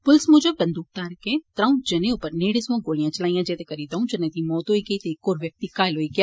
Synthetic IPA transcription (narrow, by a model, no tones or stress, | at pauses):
pʊlsmʊd͡ʒəbːɐ̃nd̪uːk̚t̪aːɾkẽt̪ɾãːũd͡ʒɐnẽupəɾneːɽɪsʋãɡoːlijãt͡ʃɐlaːijãd͡ʒeːt̪ekɐɾiːd̪aũd͡ʒɐnẽt̪imɔːt̪ɦoiɡɐit̪eːkoːɾʋjɐk̚t̪ikaːɪlɦoːiɡɪjaː